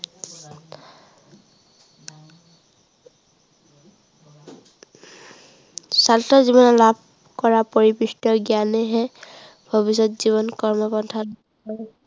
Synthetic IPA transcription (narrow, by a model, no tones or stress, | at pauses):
saltɔzibɔnɔlab̚ʱ | kɔɹapoɹipistɔɡianɛɦɛ | bʱɔbis̬ɔtziβɔnkɔɹmɔpɔntʰat